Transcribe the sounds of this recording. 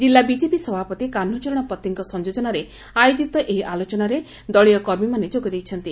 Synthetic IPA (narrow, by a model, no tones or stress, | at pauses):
d͡ʒilːabid͡ʒepisɔbʱapɔt̪ikan̤ːut͡ʃɔɾɔɽ̃ɔpɔt̪ːiŋkɔsɔnd͡ʒod͡ʒɔnaɾe | ajod͡ʒikt̪ɔʔeɦiʔalot͡ʃɔnaɾe | d̪ɔɭijɔkɔɾmimaned͡ʒoɡɔd̪ejt͡ʃʰɔnt̪i